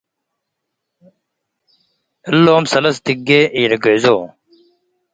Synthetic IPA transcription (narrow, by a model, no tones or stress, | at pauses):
ɐlːoːmsɐlɐst̪iɡeʔiːɾɐɡezoː